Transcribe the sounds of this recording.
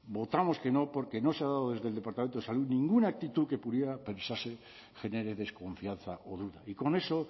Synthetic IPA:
bot̪amo̞ske̞no̞po̞ɾkeno̞seaðaðoðe̞zðe̞ld̪epaɾt̪ament̪oesaluðnĩŋɡunaːk̚t̪it̪uke̞puðjeɾape̞nsase | xe̞neɾeðe̞sko̞ɱfian̟θaʔoðuðaiko̞ne̞so̞

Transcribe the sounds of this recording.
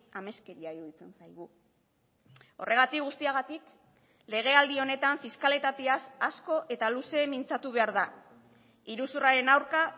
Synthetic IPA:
ame̞ske̞ɾiaiɾuðit͡se̞nsajɣ̞u | o̞̰rʔe̞ɣ̞at̪ikɣust̪iaɣ̞at̪ik | le̞ɣ̞e̞ald̪io̞ne̞t̪aɱfiskale̞t̪at̪easasko̞ʔe̞t̪aluse̞mint͡sat̪uβ̞e̞aɾða | iɾusuraɾe̞nawɾka

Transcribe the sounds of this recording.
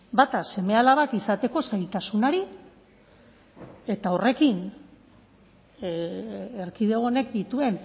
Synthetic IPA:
bat̪ase̞me̞alaβakisat̪e̞ko̞sajlt̪asunaɾi | e̞t̪ao̞re̞kin | eɾkið̞e̞ɣo̞ne̞k̚d̪it̪ue̞n

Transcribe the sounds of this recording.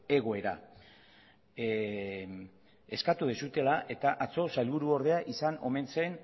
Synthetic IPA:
e̞ɣo̞e̞ɾa̰ | e̞skat̪uð̞esut̪e̞laʔe̞t̪aʔat͡so̞salβuɾuo̞ɾð̞e̞aʔisano̞̰me̞nse̞n

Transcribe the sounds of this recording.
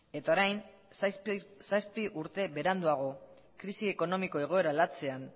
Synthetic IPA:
e̞t̪aoɾajn | saspiʔuɾt̪e̞βe̞ɾand̪uaɣ̞o̞ | kɾisieko̞no̞miko̞e̞ɣ̞o̞e̞ɾalat͡se̞an

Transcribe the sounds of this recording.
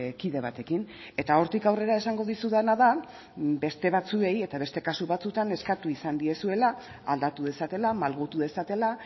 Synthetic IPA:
kiðe̞β̞at̪e̞kin | e̞t̪ao̞ɾt̪ikawre̞ɾae̞saŋɡo̞ð̞isuðanaða | be̞st̪e̞βat͡sue̞je̞t̪aβe̞st̪e̞kasuβat͡sut̪ane̞skat̪uisand̪ie̞sue̞la | ald̪at̪uðe̞sat̪e̞lamalɣut̪uðe̞sat̪e̞la

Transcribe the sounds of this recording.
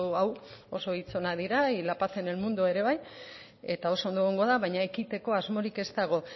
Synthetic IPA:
awo̞so̞it͡so̞naðiɾailapaθe̞ne̞lmund̪ue̞ɾe̞βaj | e̞t̪ao̞sond̪oeɣoŋɡo̞ðaβajɲae̞kit̪e̞ko̞azmo̞ɾike̞st̪aɣ̞o̞

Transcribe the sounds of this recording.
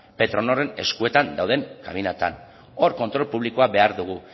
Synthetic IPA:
pe̞t̪ɾo̞no̞re̞ne̞skue̞t̪and̪awð̞e̞ŋka̰minat̪a̰n | o̞ɾko̞nt̪ɾo̞lpuβliko̞abe̞aɾðuɣ̞u

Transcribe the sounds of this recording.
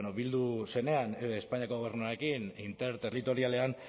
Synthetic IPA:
noβild̪use̞ne̞anespaɲiako̞ɣo̞β̞ernuaɾe̞kinint̪e̞ɾt̪erlit̪o̞ɾiale̞an

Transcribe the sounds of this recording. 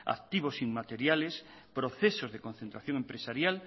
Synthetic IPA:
a̰kt̪iβosiŋmat̪eɾjales | pɾoθesozðekonθent̪ɾaθjõŋempɾesaɾjal

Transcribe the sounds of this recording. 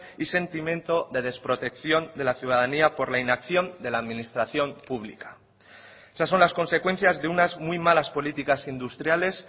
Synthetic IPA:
ise̞nt̪imjẽ̞nt̪o̞ðe̞ð̞e̞spɾo̞t̪e̞kθjo̞nd̪e̞laθjuð̞aðaniapo̞ɾlainakθjo̞nd̪e̞laːðmĩnist̪ɾaθjo̞mpuβlḭkḁ | esasːo̞nlasko̞nse̞kwe̞n̟θjazðe̞unazmwujmalaspo̞lit̪ikasind̪ust̪ɾjale̞s

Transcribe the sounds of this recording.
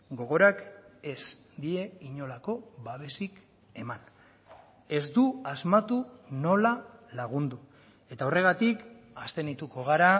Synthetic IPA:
ɡo̞ɣ̞o̞ɾake̞s | d̪ie̞iɲo̞lako̞βaβe̞sik | e̞man | e̞zd̪uazmat̪uno̞lalaɣ̞und̪u | e̞t̪aore̞ɣ̞at̪ik | ast̪e̞nit̪uko̞ɣ̞aɾa

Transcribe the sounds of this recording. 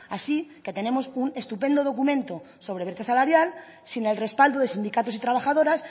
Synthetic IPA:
asike̞t̪e̞nẽ̞mo̞sune̞st̪upẽ̞nd̪o̞ð̞okumẽ̞nt̪o̞ | so̞βɾe̞βeɾt̪asalaɾjal | sine̞lre̞spald̪oðe̞sind̪ikat̪o̞sit̪ɾaβ̞axað̞o̞ɾas

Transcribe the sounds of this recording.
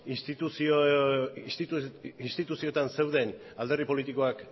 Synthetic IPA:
ist̪it̪uso | siinst̪it̪usio̞t̪anse̞wðe̞n | ald̪e̞ripo̞lit̪iko̞ak

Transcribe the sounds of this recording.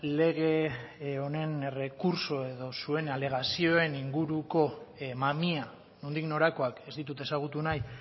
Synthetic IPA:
le̞ɣ̞e̞o̞ne̞nere̞kuɾso̞e̞ðo̞sue̞nale̞ɣ̞asio̞e̞niŋɡuɾuko̞mamia | nond̪ikno̞ɾako̞ake̞zd̪it̪ut̪e̞saɣ̞ut̪unaj

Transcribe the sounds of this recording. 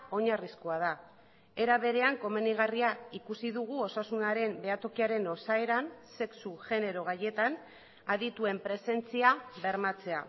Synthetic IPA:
o̞ɲariskoaða | e̞ɾaβe̞ɾe̞aŋko̞meniɣ̞ariaikusiðuɣ̞uo̞sasunaɾe̞mbe̞at̪o̞kiaɾe̞no̞sae̞ɾanse̞ksuʝe̞ne̞ɾo̞ɣ̞aje̞t̪an | aðit̪ue̞mpɾe̞se̞nt͡siaβe̞ɾmat͡se̞a

